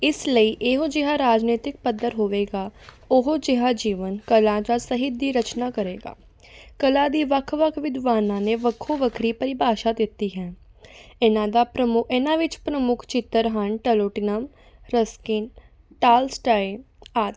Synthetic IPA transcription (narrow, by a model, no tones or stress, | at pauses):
ɪsləiːʔeɦod͡ʒɪɦãːɾaːd͡ʒneːt̪ɪk̚pəd̪ːəɾɦoːʋeːɡaː | ʊɦod͡ʒɪɦaːd͡ʒiːʋənkəlãːd͡ʒaːsəɦɪd̪iːɾət͡ʃnaːkəɾeːɡa̰ː | kəlãːd̪iːʋəkʰʋəkʰʋɪd̪ʋaːnãːneːʋəkʰːoːʋəkʰɾiːpəɾɪbʱaːʃaːd̪ɪt̪ːiːɦɛː | ɪnãːd̪aːpɾəmʊɪnãːʋɪt͡ʃpɾəmʊkʰt͡ʃɪt̪ːəɾɦəɳʈəloːʈɪnəm | ɾəskɪn | ʈaːlsʈaːe | aːt̪